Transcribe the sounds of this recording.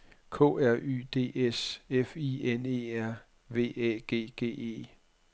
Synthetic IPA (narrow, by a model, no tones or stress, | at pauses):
kʰo̰̽ːæɐ̰ʔy̰ːd̥e̝̰ːesefiene̝̰ːæɐ̰ | ʋe̝̰ːɛɡ̥e̝̰ːɡ̥e̝̰ːe̝̰ː